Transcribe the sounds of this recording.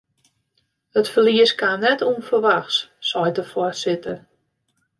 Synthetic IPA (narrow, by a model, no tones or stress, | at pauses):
ətfəliəskannɛtʰuənfərʋaxsːɔjdəfɔrsɪtər